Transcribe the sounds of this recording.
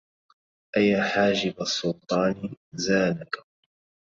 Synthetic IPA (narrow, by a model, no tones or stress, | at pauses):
ʔajaħaːd͡ʒɪbasˤːʊlt̪ˤɑːnɪzaːnak